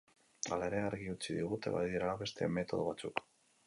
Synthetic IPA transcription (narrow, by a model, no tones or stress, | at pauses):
alaeɾe̞aɾɣiut͡siðiɣut̪e̞̰βa̰ðiɾaβe̞st̪eme̞t̪o̞ð̞o̞βat͡suk